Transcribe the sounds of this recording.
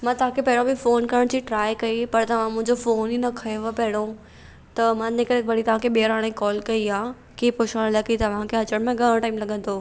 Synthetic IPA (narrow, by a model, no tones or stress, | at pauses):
mãːt̪ɐʋ̤ãkʰepɐɦɪɽ̃õbɪfoːnkɐɾəɽ̃d͡ʑiːʈɾaːɪkɐipɐɾt̪ɐʋ̤ãmʊ̃ɦɪ̃ɲd͡ʑofoːninɐkʰɐjoʋəpɐɦɪɽ̃o | t̪ɐmãːnɪkəɾebɐɽit̪ɐʋ̤ãːkʰeɓiəɾaːɽ̃ẽkɔːlkɐiaː | kiːpʊʃaːɽ̃lɐkit̪ɐʋ̤ãkʰeɦɐt͡ɕəɽ̃mẽɡʱɐɽ̃ʈaːɪmlɐɠə̃nd̪oː